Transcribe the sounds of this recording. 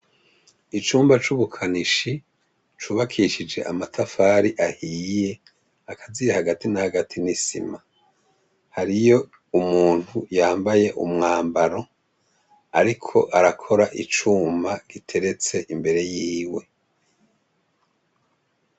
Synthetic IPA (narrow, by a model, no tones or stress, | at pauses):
it͡ʃuːmbat͡ʃuβukʰaniʃi | t͡ʃuːβakʰiʃid͡ʒe̞̰ʔamatʰafaːɾiʔahiːje̞ | akʰazijahaɡatinahaɡatʰinisḭma | haɾijo̞ | umuːn̥hujaːmbaje̞ʔṵmŋaːmbaɾo̞ | aɾikʰo̞ʔaɾakʰo̞ɾaʔit͡ʃuːmbaɡ̥itʰe̞ɾe̞t͡se̞ʔimbe̞ɾe̞jiːwe̞